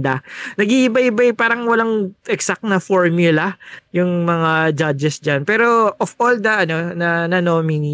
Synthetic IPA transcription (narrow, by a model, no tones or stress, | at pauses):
d̪ɐnɐɡiʔɪbajɪbajpaːɾɐŋwɐlaŋʔɛksak̚t̪nɐfoɹmjʊlɐjʊŋmɐŋad͡ʒad͡ʒɛsd͡ʒanpɛːɾo̞ʔofold̪ɐʔɐno̞nɐnɐnomɪni